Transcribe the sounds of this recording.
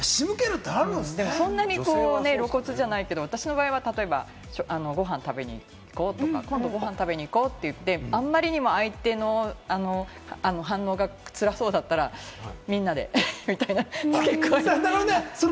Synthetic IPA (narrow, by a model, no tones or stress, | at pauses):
ɕimɯ̟keɾɯd̪amɯd̪e̞mo̞sõ̞nːaɲ̟ikoːne̞ɾo̞ko̞t͡sɨʑanaike̞d̪o̞at̪aɕino̞baːiβ̞at̪at̪o̞e̞ba̰ | ɕoʔano̞ɡo̞ɦãnt̪abe̞ɲ̟ḭː | iko̞ːt̪o̞ka̰kõ̞nd̪o̞ɡo̞ɦãnt̪abe̞ɲ̟iːko̞ːt̪ːe̞jɯ̟t̪ːe̞ãmːaɾʲiɲ̟imo̞ait̪e̞no̞ano̞ | ano̞ɦãnːo̞ːɡat͡sɨɾaso̞ːd̪at̪ːaɾamʲĩnːad̪e̞̰mʲit̪ainakekːoːɾoneso